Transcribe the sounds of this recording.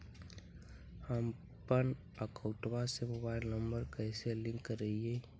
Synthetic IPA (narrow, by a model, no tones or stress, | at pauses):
həm | pən | əkəʊʈbasemobaːɪlnəmbəɾkɛɪselɪ̃ŋkːəɾːəie